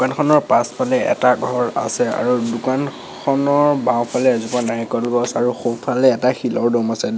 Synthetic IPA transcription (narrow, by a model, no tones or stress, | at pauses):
dkankʰɔnɔɹpaspʰalɛɛ̰taɡʱɹɔɹa̰sɛa̰ɹudukan | kʰɔnɔɹbãw̃pʰalɛazupanaɹikɔlɡɔsaɹuxopʰalɛːtaxilɔɹdɔmasɛ